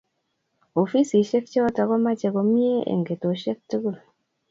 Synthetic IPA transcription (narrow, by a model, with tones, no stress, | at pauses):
o˨fi˦si˨ʃe˦k̚t͡ʃɔ˦ta˨kɔ˦ma˦t͡ʃe˨ɡo˨mi˦e˦ʔḛ˨ŋɡe˨to˨ʃe˦k̚tu˦ɡu˦˨l